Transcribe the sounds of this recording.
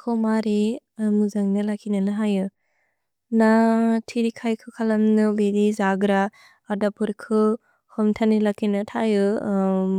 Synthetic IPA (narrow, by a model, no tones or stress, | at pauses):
kʰɔmaɾimuzaŋnɯlakʰinɐnaɦajɯ | natʰiɾikʰajkʰɯkʰalɐmnɯbedizaɡɾaː | dapʰɯɾkʰɯ | hɔmtʰanilakʰinɐtʰajɯ